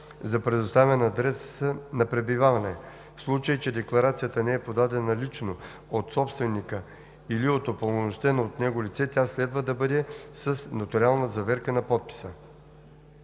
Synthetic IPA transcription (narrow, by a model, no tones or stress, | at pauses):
zɐpɾɛd̪ʊst̪avɛnɐːd̪ɾɛsənɐpɾɛbivavɐnɛ | fslˠut͡ʃəjit͡ʃɛd̪ɛklˠɐɾat̪sijət̪ənɛɛpod̪ad̪ɛnɐlit͡ʃno | ot̪sɔpst̪vɛnikə | iliot̪opolˠnost̪ɛnoot̪nɛɡolit̪sɛt̪ʲjaslɛd̪vəd̪ɐbɤd̪ɛsəsnɐt̪ʊɾʲialˠnəzɐvɛɾkənɐpɔt̪̚pi̥sə